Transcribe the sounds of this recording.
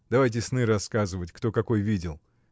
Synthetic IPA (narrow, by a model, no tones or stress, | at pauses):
d̪ɐvajt̬ʲɪsnɨɾɐskazɨvətʲkt̪o̞kɐko̞jvʲidʲɪlˠ